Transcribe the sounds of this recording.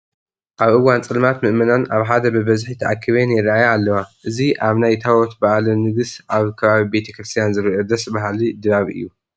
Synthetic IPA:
ʔaβʔɨwːant͡sʼɨlmat̪mɨʔmɨnanʔaβħad̪ɐbɨbɐzħit̪ʰɐʔakʰːiβenjɪɾajaːlːɐwaʔɨziʔaβnajt̪ʰawɔt̪baʔalunɨɡɨsʔaβkʰɐβaβibe̞t̪ʰɐkɾɨst̪ʰijanzɨɾʔod̪ɐsbaɦalid̪ɨβaβʔɨ̰jːu

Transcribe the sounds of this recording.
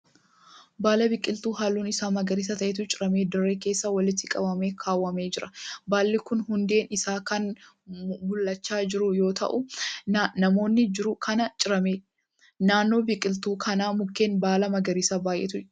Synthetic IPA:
baːlɐbɪkʼːɪlt̪uːɦaːlːuːnɪsaːmɐɡɐɾiːs̬ɐt̪ɐʔeːt̪ʊt͡ʃʼɪɾɐmeːd̪ɔrːeːke̞ːsːɐwɐlɪt̪ːɪkʼɐbɐme̞ːkʰaːwːɐme̞ːd͡ʒɪɾɐbaːlːɪkʊnɦʊnd̪e̞ːnɪsaːkɐn | mʊlːɐt͡ʃːaːd͡ʒɪɾʊjo̞ːt̪ɐ̰ʔʊ | nɐmo̞ːnːɪd͡ʒɪɾʊkʰɐnɐt͡ʃʼɪɾɐmeː | naːnːo̞ːbɪkʼɪlt̪uːkʰɐnaːmʊkːeːnbaːlɐmɐɡɐɾiːsabaːjʔḛːt̪ʊ

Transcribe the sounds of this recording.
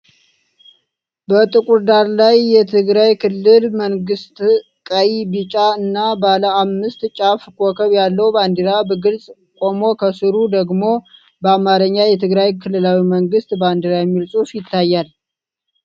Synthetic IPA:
bət̪ʼɨkʼuɾd̪aɾlajːɛt̪ʰɨɡɾajkʰɨlːɨlməŋɡɨst̪ | kʼəjibɨt͡ʃʼaɨnːabaləamːɨst̪t͡ʃʼafkʰʼokʰəβjalːəwband̪iɾabəɡɨlsʼ | kʼo̞mo̞kʰəsɨɾud̪əɡmo̞ | bəamaɾəɲːajɛt̪ʰɨɡɾajkʰɨlːɨlawiməŋɡɨst̪band̪iɾajɛmːilsʼufjɪt̪ʰːajːal

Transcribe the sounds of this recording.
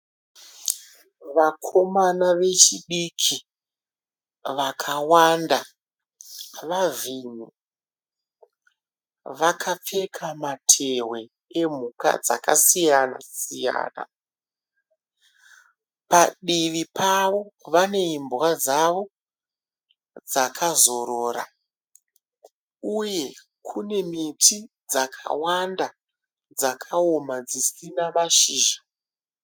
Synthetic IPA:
ʋakʰo̞manaʋe̞t͡ʃiɗikʰi | ʋakʰawanda | ʋaviːɲu | ʋakʰap͡fe̞kʰamatʰerwe̞ | em̤uka̰d͡za̰kasijana̰sija̰ːna̰ | paɗiʋipʰaʋo̞ʋane̞imbuɣad͡zaʋo̞ | d͡zakʰazo̞ɾoːra̰ | uje̞ | kʰune̞mitʰi | d͡zakʰa̰wanda | d͡zakʰaomad͡zisinaʋaʃiːʒa

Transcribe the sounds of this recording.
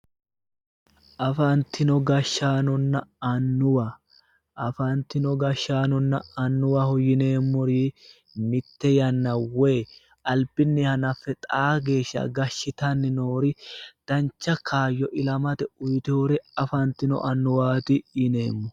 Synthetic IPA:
ʔɐfɐnt̪ːɪnɔɡɐʃːaːnɔnːɐɐnːʊwɐ | ʔɐfɐnt̪ːɪnɔɡɐʃːaːnɔnːɐ̰ɐnːʊwɐhɔjɪne̞ːmːɔɾi | mɪt̪ːɛjɐnːɐweː | ɐlbɪnːɪhɐnɐfːɛt̪ʼaːɡe̞ːʃːɐ̰ɡɐʃːɪt̪ɐnːɪnoːɾɪd̪̥ɐnt͡ʃːɐkʰaːjːɔʔɪlɐmɐt̪ɛʊjt̪ɪhoɾɛɐfɐnt̪ːɪnɔ̰ʔɐnːʊwaːt̪ɪɪne̞ːmːɔ

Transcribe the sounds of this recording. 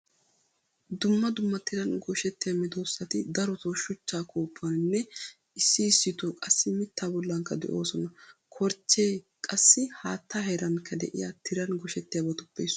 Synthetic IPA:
d̪ʊmːɐd̪ʊmːɐt̪ɪɾɐnɡɔʃɛt̪ːɪjɐmɪd̪oːsːɐt̪ɪd̪ɐɾɔt̪ɔʃʊt͡ʃːaːkoːpʰːɐnnːɛ | ɪsːɪːsːɪt̪ɔkʼɐsːɪmɪt̪ʰːaːbɔlːɐŋkːɐd̪ɛ̰ʔo̞ːsɔnɐkʰɔɾt͡ʃːeː | kʼɐsːɪhaːt̪ːahɛɾɐnkʰɐd̪ɛ̰ʔɪ̰jat̪ʰɪɾɐnɡɔʃɛt̪ːɪjabɐt̪ʊpːḛs

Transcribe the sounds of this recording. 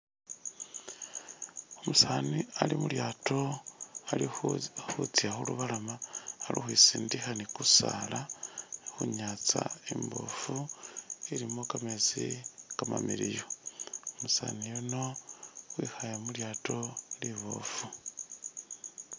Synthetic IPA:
omusaːnialimuljaːto̞a | xut͡siaxuluβalamaːlʔḭxwisiːndixanikusa̰lanixuɲaːt͡sa̰embo̞̰fu | iɾimo̞kamezikama̰miɾijoomusa̰ːnijonowixajemuljaːtʰo̞liβo̰fu

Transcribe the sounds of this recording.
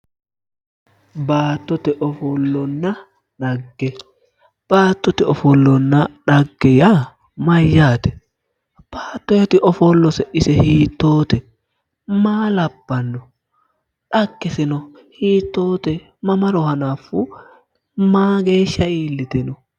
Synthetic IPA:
baːt̪ːɔt̪ɛʔɔfɔlːɔnːɐ | ᶑɐɡːɛ | b̥aːt̪ːɔt̪ɛɔfɔlːɔnːɐᶑɐɡːɛja | mɐjːaːt̪ɛ̥ | b̥aːt̪ːɔɛt̪ɪʔɔfɔlːɔsɛʔɪsɛhiːt̪ːoːt̪ɛ | maːlɐb̥ːɐnːɔ | ᶑɐɡːɛsɪnɔ | hiːt̪ːoːt̪ɛ | mɐmɐɾɔhɐnaːfu | maːɡe̞ːʃːɐiːlːɪt̪ɛnɔ

